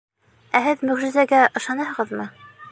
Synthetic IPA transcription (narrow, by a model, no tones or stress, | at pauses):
æhɘðmɵ̆ʁʒɘ̆zæɡæʔɤ̆ʃɑnɑhɤ̆ʁɤðmɤ